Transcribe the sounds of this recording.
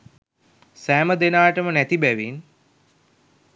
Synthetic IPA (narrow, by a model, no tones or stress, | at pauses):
sæːməd̪enaːəʈəmənæt̪ibæʋin